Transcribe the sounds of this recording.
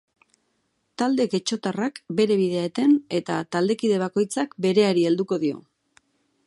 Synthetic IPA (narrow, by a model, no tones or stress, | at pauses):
t̪ald̪e̞ke̞t͡ʃo̞t̪arakbe̞ɾe̞β̞iðe̞aet̪e̞ne̞t̪a̰t̪ald̪e̞kiðe̞β̞ako̞jt͡sakbe̞ɾe̞aɾie̞ld̪uko̞ðio̞̰